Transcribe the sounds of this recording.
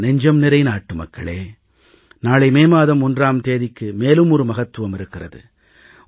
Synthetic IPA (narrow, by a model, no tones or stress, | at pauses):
nɛɲd͡ʒɐmnɪɾɐɪnaːʈːɯmɐ̰kːɐ̰ɭḛː | naːɭɐɪmeːmaːðɐmɔndraːmt̪eːðɪkːɯmeːlɯmɔɾɯmɐɣɐt̪ːɯʋɐmɪɾɯkːɪrɐ̰ðɯ̰